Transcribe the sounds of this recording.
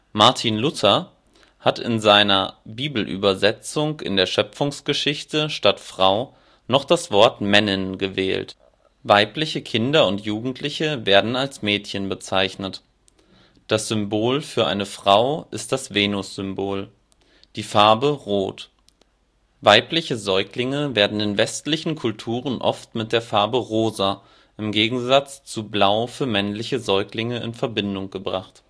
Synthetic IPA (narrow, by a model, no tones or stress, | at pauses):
maɐtʰiːnlʊtʰɐ | hatɪ̰nzaɪnɐbiːbl̩ʔy̰ːbɐzɛt͡sʊŋkɪ̰ndeːɐʃœpp͡fʊŋsɡ̥əʃɪçtəʃtatfʁ̥aʊ | nɔχd̥asv̥ɔɐtmɛnənɡəvɛ̰ːlt | vaɪplɪçəkʰɪndɐʊntjuːɡŋ̩tʰlɪçəveːɐdn̩alsmɛːtçənbət͡saɪçnət | d̥asz̥ʏmboːlfyːɐʔa̰ɪnəfʁ̥aʊʔɪst̚d̥asv̥eːnʊsz̥ʏmboːl | d̥iːfaɐbəʁoːt | vaɪplɪçəzɔʏklɪŋəveːɐdn̩ɪnvɛstlɪçn̩kʰʊltʰuːʁənʔɔ̰ftmɪt̚d̥eːɐfaɐbəʁoːza | ʔɪmɡeːɡŋ̩zat͡st͡sublaʊfyːɐmɛnlɪçəzɔʏklɪŋəɪ̰nfɛɐbɪndʊŋɡ̥əbʁaχt